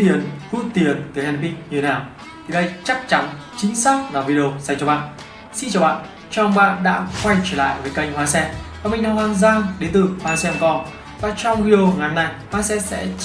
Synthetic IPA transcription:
i˨˩ənvu˧˥t̪i˨˩ənt̪ɨ˨˩hɛ˧n˧ɓï˧˩ŋ̚ɲɨ˧t̪ʰe˨˦naː˨˩w | t̪ʰi˨˩ɗə˧jt͡ɕa˦˥k̚t͡ɕa˨˦n | t͡ɕï˨˦ŋ̟saː˦˥k̚vaː˨˩vi˧ɗi˧o˧sa˧˩ŋt͡ɕɔ˧˩ɓa̰ː˧˨n | si˧nt͡ɕaː˨˩wɓa̰ː˧˨n | t͡ɕɔ˧˩ə˧ŋ͡mɓa̰ː˧˨nɗa̰ː˧˥kwa˧jt͡ɕəː˧˩la̰ː˧˨jvəː˨˦jka˧jŋ̟hwaː˨˧sɛ˧vaː˨˩mï˨˩ŋ̟naː˨˧˩hwaː˧nzaː˧ŋɗe˨˦nt̪ɨ˨˩hwaː˧sɛ˧mkɔ˧˩ | vaː˨˩t͡ɕɔ˧wŋ͡mvi˧˩˨o˧˨ŋa˨˩nːa˨˩jhwaː˧sɛ˧sɛ̰˧˥

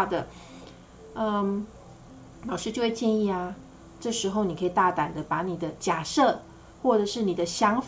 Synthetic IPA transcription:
d̪ə˩ | ə˧ | lɑ˨˩ʊʂɻ̩˥˧t͡ɕjo˥˧ʊwe˥˧t͡ɕjɛ˥˧ni˥˩ɐ˩ | ʈ͡ʂɤ˥˩ʂɻ̩˧˥xo˧ʊni˨˩kʰɤ˧˥i˨˩t̪a˥˩t̪a˨˩nd̪ə˦pa˧˥ni˨˩d̪ə˦t͡ɕja˨˩ʂɤ˥˩ | xwɔ˥˩ʈ͡ʂɤ˨˩ʂɻ̩˥˩ni˨˩d̪ə˦ɕjɑ˧˥ŋf

